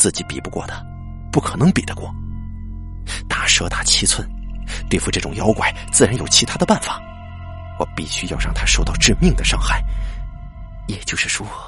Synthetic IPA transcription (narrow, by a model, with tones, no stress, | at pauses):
t͡sɹ̩˥˩t͡ɕi˧˥pḭ˨˩pu˧˥kwɔ̰˥˩d̪ə˦ | pu˥˩kʰɤ˨˩nɤ˧˥ŋpi˨˩d̪ə˦kwɔ̰˥˩ | t̪ʰa˥˩ʂɤ˧˥t̪a˥˩t͡ɕʰi˧˥t͡sʰwə˧˥nt̪we˥˧ɪfu˧ʈ͡ʂɤ˥˩ʈ͡ʂʊ˨˩ŋjɑ˧˥ʊkwa̰˨˩ɪt͡sɹ̩˥˩ɻa˧˥njo˨˩ʊt͡ɕʰi˧˥t̪ʰa˥d̪ə˧pa˥˩nfa˨˩˦ | wɔ˨˩pi˥˩ɕy˥jɑ˥˧ʊɻɑ˥˩ŋt̪ʰa˥ʂo˥˧ʊt̪ɑ˥˧ʊʈ͡ʂɻ̩˥˧mi˥˩ŋd̪ə˩ʂɑ˥˧ŋxa˥˩ɪ | jɛ˨˩t͡ɕjo˥˧ʊʂɻ̩˥˩ʂwɔ˥